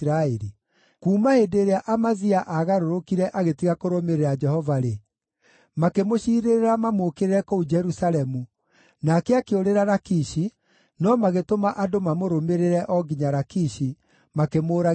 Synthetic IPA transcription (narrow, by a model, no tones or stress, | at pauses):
ɾaeɾi | kuːmahedeɾeaʔamaziaʔaɣaɾoɾokiɾɛʔaɣetiɣakoɾomeɾeɾad͡ʒɛhɔvaɾe | makemoɕiːɾeɾeɾamamoːkeɾeɾɛkɔud͡ʒɛɾusaɾɛmu | nakɛakeoɾeɾaɾakiːʃi | nɔmaɣetomaʔadomamoɾomeɾeɾɛʔɔɡiɲaɾakiʃi | makemoːɾa